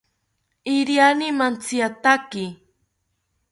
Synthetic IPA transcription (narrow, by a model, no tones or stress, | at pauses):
ɪɾjanɪmant͡siat̪akɪ